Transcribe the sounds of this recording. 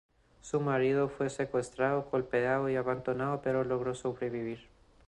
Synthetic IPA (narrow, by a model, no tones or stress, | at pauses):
sumaɾiðofwe̞se̞kwe̞st̪ɾaðoɣolpeaðoiaβand̪onaðope̞ɾo̞lo̞ɣ̞ɾo̞so̞βɾe̞βiβ̞iɾ